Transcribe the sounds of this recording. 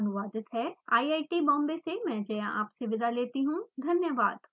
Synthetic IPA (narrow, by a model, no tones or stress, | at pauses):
nʊʋaːd̪ɪt̪ɦɛːa̰ːiaːɪʈibɔ̃ːmbesemɛ̃ːd͡ʒɐjãʔaːpsɪʋɪd̪ʱaleːt̪iɦũd̪ʱɐnjəʋaːd̪